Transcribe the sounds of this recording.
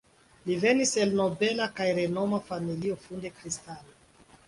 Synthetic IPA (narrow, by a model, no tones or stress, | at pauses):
live̞nise̞lno̞be̞lakajɾe̞no̞mafamilio̞funde̞kɾistalo